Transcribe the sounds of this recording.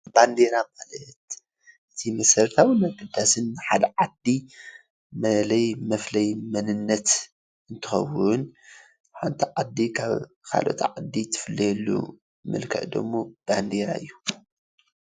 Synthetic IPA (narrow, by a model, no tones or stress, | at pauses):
band̪eɾamalɐt̪ | ʔɨt̪ʰimɐsɐɾt̪ʰawɨnaɡɨd̪ːasɨnːħad̪ɐʕad̪ːi | mɐlɐjmɐflɐjmɐnɨnːɐt̪ | ʔɨnt̪ʰɨxɐ̰wʊn | ħant̪ʰiʕad̪ːikʰaβ | kʰa̰lʔo̞̰t̪ʰʕad̪ːit̪ʰɨ̥fɨlːɐjɛlːṵ | mɨ̰lkʰɐ̰ʕd̪o̰mːob̥and̪eɾa̰ɨjːu